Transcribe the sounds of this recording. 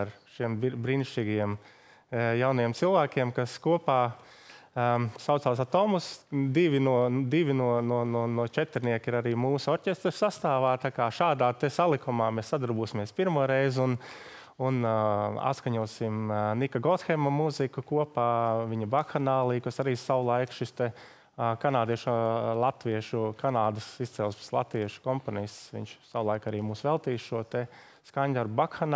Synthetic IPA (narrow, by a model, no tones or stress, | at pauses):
ɾʃiɛmbbɾiːniʃt͡ʃiːɡiɛm | jawnajɛmt̪silˠʋæːkʲiɛmkaskuɔpaː | saʊt̪saːs̬at̪ɔmusd̪iʋʲinuɔd̪iʋʲinuɔnuɔnuɔnuɔt͡ʃɛt̪ɛɾniɛkiɾaɾiːmuːsuɔɾcʲest̪ɾsast̪aːʋaːt̪akaːʃaːd̪aːt̪ɛsalˠikumaːmesːad̪uɾbuːsimiɛspiɾmuɔɾɛjzun | una̰t̪skaɲuɔsimnikaɡɔt̪xɛmɐmuzikukuɔpaːʋiɲɐbakxanaːlˠiːkasaɾiːsawlˠajkʃist̪ɛ | kanaːd̪iɛʃlˠat̪ʋiɛʃukanaːd̪əsist̪sɛlˠspslˠa̰t̪ʋiɛʃu̥kɔmponist̪sʋḭɲʲt͡ʃsawlˠajkaɾiːmuːsʋɛlˠt̪iːsʃuɔt̪ɛ | skaɲʲd̪aɾbbakxan